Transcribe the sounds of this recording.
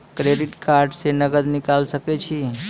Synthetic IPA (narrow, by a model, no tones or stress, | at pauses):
kɾeɖiʈkaɾɖsenəɡəd̪nikalsəkɛt͡ʃʰi